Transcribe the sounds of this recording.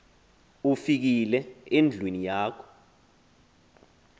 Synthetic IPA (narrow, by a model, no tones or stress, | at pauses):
ufik̬ilɛend͡ɮʱwenijaːkʰɔ̥